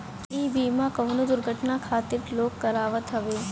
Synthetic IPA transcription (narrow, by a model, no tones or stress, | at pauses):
iːbiːmãkɐʋnod̪ʊɾɡʱəʈnakʰaːt̪ɪɾloːkːɐɾaːʋət̪ʰɐʋeː